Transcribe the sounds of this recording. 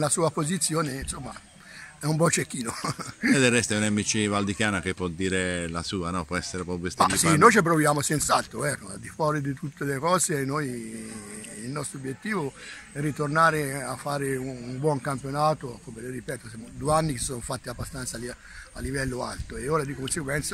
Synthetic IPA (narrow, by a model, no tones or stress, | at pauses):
lasuːapozit̪sːjoːnensomːa | ɛumbɔt͡ʃekːiːnoed̪erːɛst̪aɛunamːit͡ʃivald̪ikjaːnakepːwɔd̪ːiːɾelasuːanɔpwɔɛsːeɾepɾɔppost̪maisinːojt͡ʃep̬ɾovjaːmosɛnt̪saalt̪ɾovɛɾoa̰ld̪ifwɔːɾid̪it̪ut̪ːelekɔːzeːnːoj | ilnɔst̪ɾoobːjet̪ːiːvoɛrːit̪ornaːɾeafːaːɾeuumbwɔŋkampjonaːt̪okomeleripɛːt̪osmd̪ueanːikessonofat̪ːiabːast̪ant̪sali | alːivɛlːoa̰lt̪oeoːɾad̪ikonseɡwɛnt̪sa